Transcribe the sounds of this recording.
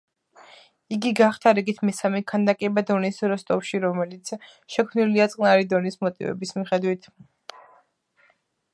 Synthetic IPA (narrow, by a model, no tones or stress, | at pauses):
iɡiɡaχt̪ʰaɾiɡit̪ʰmɛsamɛkʰand̪akʼɛbad̪ɔnisɾɔst̪ʼɔpʃiɾɔmɛlit̪sʰ | ʃɛkʰmniliat̪sʼqʼnaɾid̪ɔnismɔt̪ʼḭvɛ̰bismiχɛd̪wit̪ʰ